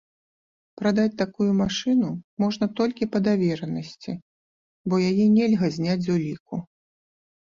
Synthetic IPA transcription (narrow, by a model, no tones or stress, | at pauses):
pɾad̪at͡sʲt̪akujumaʂɨnumɔʐnɐt̪ɔlʲkʲipɐd̪avʲɛɾɐnɐsʲt͡sʲi | bɔjajɛnʲɛlʲɣɐzʲnʲad͡zʲzulʲiku